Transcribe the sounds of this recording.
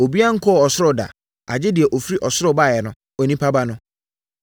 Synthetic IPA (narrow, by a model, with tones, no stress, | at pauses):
o˨bi˦a˦ŋ̩˦kʰɔ˦˨ɔ˨sʊ˦ɾʊ˦˨da̰˨ | a̰˨d͡ʑɪ˦di˨ɛ˨ʔɔ˨fi˦ɾi˦ʔɔ˨sʊ˦ɾʊ˦˨ba˦˨jɛ˨nʊ̃˦ | ɔ˨nĩ˦pʰa˦ba˦nʊ̃˦